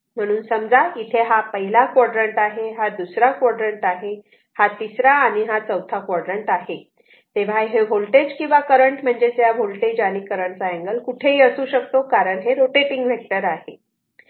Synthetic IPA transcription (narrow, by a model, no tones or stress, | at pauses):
m̤əɽ̃uːnsəmd͡zait̪ʰeɦapəɦilakʋɔɽɾəɳʈaɦeɦad̪usɾakʋɔɽɾəɳʈaɦe | hat̪isɾaːɽ̃iɦat͡səwt̪ʰakʋɔɽɾəɳʈaɦe | t̪eʋ̤aɦeɦolʈed͡ʑkĩw̃ʋakəɾəɳʈm̤əɳd͡zet͡sjaɦolʈed͡ʑañiːkəɾəɳt͡saɛ̃ŋɡəlkuʈʰeɦiːəsuːɕəkt̪okaɾəɳɦeɾoʈepiŋɡʋek̚ʈəɾaɦe